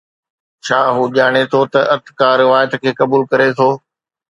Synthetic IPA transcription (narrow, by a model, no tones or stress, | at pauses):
t͡ɕʰaːɦuːʄaːɽ̃et̪ʰot̪ɐʔɐt̪kaːɾɪʋaːjət̪kʰeːkɐbuːlkɐɾet̪ʰoː